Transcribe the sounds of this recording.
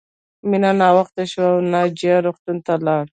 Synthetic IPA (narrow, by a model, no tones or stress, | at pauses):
minanɑwaxt̪aʃwawnad͡ʒiaɾoxt̪unt̪alɑɽ